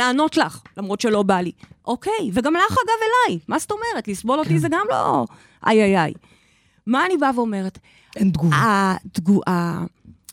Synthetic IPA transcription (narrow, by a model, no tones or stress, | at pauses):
laːno̞tlaχlamʁo̞tʃe̞lo̞baliʔo̞ke̞jveɡamlaχaɡave̞lajmasto̞me̞ʁetlisbo̞lo̞tizeɡamlo̞̰ | ʔa̰jajaj | maːnibaveo̞me̞ʁet | end̪ɡuaad̪ɡuʔa